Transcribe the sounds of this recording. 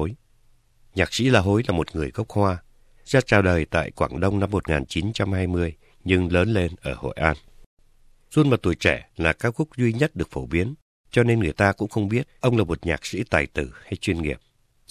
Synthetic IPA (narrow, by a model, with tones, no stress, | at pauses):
j | ɲaː˨˩k̚sḭ˧˥laː˨˩ɦo˨˦jlaː˨˩mo˨˩t̚ŋɨ˨˩əjɣə˦˥wk͡p̚hwaː˧ | zaː˧t͡ɕaː˨˩ɗəː˨˩jt̪a̰ː˧˨jkwaː˧˩ŋɗə˧wŋ͡mna˧mːo˨˩t̚ŋa̰ː˨˩nt͡ɕi˨˦nt͡ɕa˧mhaː˧jmɨ˧əj | ɲɨ˧ŋləː˨˦nle˧nʔəː˧˩ho̰˧˨jʔaː˧n | zu˧nmaː˨˩t̪u˧˩əjt͡ɕɛ˧˩laː˨˩kaː˦˥k̚xʊ˦˥k̚zwi˧ɲə˦˥t̚ɗɨ˨˩ək̚fo˧˩ɓi˨˦ən | t͡ɕɔ˧ne˧nŋɨ˨˩əjt̪aː˧kʊ̰˧˥ŋ͡mxə˧wŋ͡mɓi˦˥ət̚ʔə˧wŋ͡mlaː˨˩mo˨˩t̚ɲaː˨˩k̚sḭ˧˥t̪aː˨˩jt̪ɨ˧˩ha˧jt͡ɕwi˧ənŋi˨˩əp̚